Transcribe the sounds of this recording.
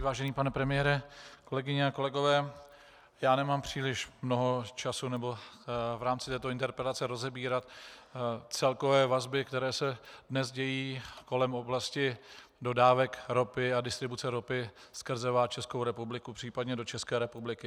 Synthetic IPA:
vaːʒɛniːpanɛpɾɛmɪjɛɾɛko̞lɛɡɪɲɛako̞lɛɡo̞vɛː | jaːnɛmaːmpr̝̥iːlɪʃmno̞ɦo̞t͡ʃasunɛbo̞vɾaːmt͡sɪt̪ɛːt̪oɪnt̪ɛɾpɾɛlat͡sɛɾo̞zɛbiːɾat̪ | t͡sɛlko̞vɛːvazbɪkt̪ɛɾɛːsɛdnɛzɟɛjiːko̞lɛmo̞blascɪdo̞daːvɛkɾo̞pɪadɪst̪ɾɪbut͡sɛɾopɪskr̩zɛvaːt͡ʃɛsko̞wɾɛpublɪkupr̥iːpadɲɛdo̞t͡ʃɛskɛːɾɛpublɪkɪ

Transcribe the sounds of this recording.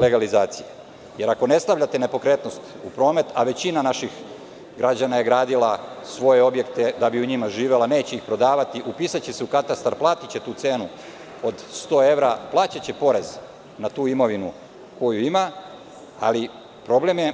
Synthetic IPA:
le̞ɡalizaːt̪sije | je̞ɾako̞ne̞st̪aʋʎat̪ene̞po̞kɾe̞t̪no̞st̪ | upɾo̞ːmet̪aʋe̞t͡ɕinanaʃix | ɡɾad͡ʑanaje̞ɡɾaːd̪ilasʋo̞je̞o̞bje̞kt̪e̞d̪abiuɲimaʒiːʋe̞laneːt͡ɕe̞ixpɾo̞d̪aːʋat̪iʔupiːsat͡ɕeseukat̪ast̪aɾplˠaːt̪it͡ɕe̞t̪uːt̪seːnu | o̞d̪st̪o̞ːe̞ʋɾaplˠaːt͡ɕat͡ɕe̞po̞ɾe̞z | nat̪uːimo̞ʋinṵ | ko̞juima | a̰li | pɾo̞ble̞mje

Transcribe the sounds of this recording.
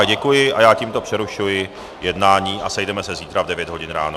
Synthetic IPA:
ɟɛkujɪʔajaːciːmt̪opr̥ɛɾuʃujɪ | jɛdnaːɲiːʔasɛjdɛmɛsɛziːt̪ɾavdɛvjɛd̪ɦo̞ɟɪnɾa̰ːno

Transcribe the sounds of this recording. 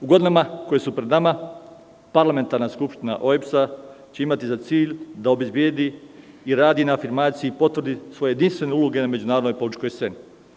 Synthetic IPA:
uɡo̞d̪inamako̞jesupɾed̪nama | paɾlame̞nt̪aɾnaskupʃt̪ina̰ʔoepsa | t͡ɕe̞imat̪izat̪siːʎd̪ao̞be̞zbje̞d̪i | iɾaːd̪inaːfiɾmaːt̪siipo̞t̪ʋr̩d̪isʋo̞jejed̪inst̪ʋe̞ne̞uloɡe̞name̞d͡ʑunaːɾod̪nojpolit͡ʃko̞jst̪se̞ːni

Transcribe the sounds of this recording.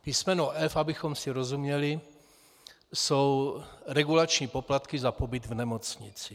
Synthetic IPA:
pismɛnuɛfabɪxomsiɾozumɲɛli | sowɾɛɡulat͡ʃɲiːpoplat̪kɪzapobɪd̪vnɛmot͡sɲɪt͡sɪ

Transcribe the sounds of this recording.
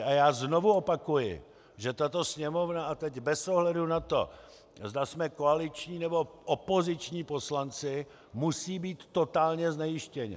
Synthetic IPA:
ajaːzno̞vuo̞pakujɪ̰ | ʒɛt̪at̪o̞sɲɛmo̞vnaʔat̪ɛɟbɛsoɦlɛdunat̪o̞̰ | zd̪asmɛkoalɪt͡ʃɲiːnɛbo̞ʔopo̞zɪt͡ʃɲiːpo̞slant͡sɪ | musiːbiːt̪ːo̞t̪aːlɲɛznɛjɪʃcɛɲɪ̰

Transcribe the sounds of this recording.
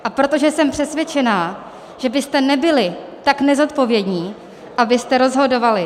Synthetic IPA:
ʔapɾo̞t̪o̞ʒɛsɛmpr̥ɛsvjɛt͡ʃɛnaː | ʒ̥ɛbɪst̪ɛnɛbɪlɪt̪aknɛzo̞t̪po̞vjɛdɲiː | ʔabɪst̪ɛɾo̞zɦo̞do̞valɪ

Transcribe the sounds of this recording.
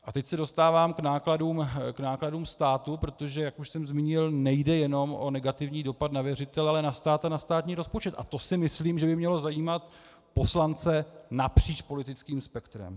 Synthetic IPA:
ʔat̪ɛcsɛdo̞st̪aːvaːmknaːkladuːmknaːkladuːmst̪aːt̪upɾo̞t̪o̞ʒɛjakuʃsɛmzmiːɲɪlnɛjdɛjɛno̞mʔo̞nɛɡat̪ɪvɲiːdo̞pad̪navjɛrɪt̪ɛlalɛnast̪aːt̪anast̪aːt̪ɲiːɾo̞spot͡ʃɛt̪ʔa̰t̪o̞sɪmɪsliːmʒɛbɪmɲɛlo̞zajiːmat̪ | po̞slant͡sɛnapr̝̥iːt͡ʃpo̞lɪt̪ɪt͡skiːmspɛkt̪ɾɛ̰m

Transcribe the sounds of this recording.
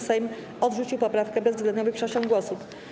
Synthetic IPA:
sɛjm | ɔd̪ʐut͡ɕiwpɔpɾafkɛbɛzvzɡlɛnɲɔvɘpʂɛt͡ɕɔ̃ŋɡwɔsup

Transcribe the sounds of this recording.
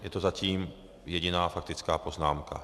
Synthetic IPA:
jɛt̪ozaciːm | jɛɟɪnaːfak̚t̪ɪt͡skaːpo̞znaːmkʰa̰

